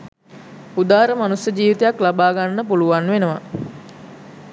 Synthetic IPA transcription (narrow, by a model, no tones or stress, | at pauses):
ud̪aːɾəmanusjəd͡ʒiːʋit̪ejaklabaːɡanːəpuluʋanʋenəʋa̰